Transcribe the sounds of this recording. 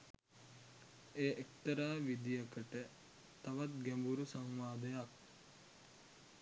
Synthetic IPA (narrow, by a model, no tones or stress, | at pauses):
eːʔek̚t̪əɾaːʋid̪ijəkəʈə | t̪aʋat̪̚ɡæmbuɾusaŋʋaːd̪əjak̚